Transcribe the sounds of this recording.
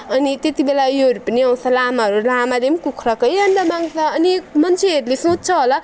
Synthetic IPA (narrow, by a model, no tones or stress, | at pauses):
ʌnit̪et̪ibelajoɦʌɾupʌniʌw̃t͡sʰʌlamaɦʌɾulamad̪emkukʰɾʌkʌjʌɳɖʌmaŋɡt͡sʰʌːnimʌnt͡sʰeɦʌɾulesõt̪̚t͡sʰʌɦolʌ